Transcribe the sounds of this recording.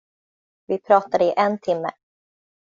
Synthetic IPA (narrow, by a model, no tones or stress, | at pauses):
vɪpʰɾɑːt̪ad̪əɪʔɛnt̪ʰɪmːə̰